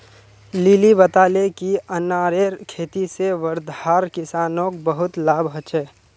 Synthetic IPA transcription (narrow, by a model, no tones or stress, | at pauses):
lilibət̪aːlekiənaːɾeːɾkʰeːt̪iseʋəɾd̪haːɾkɪsaːnõk̚bəɦʊt̪laːbɦət͡ʃɛː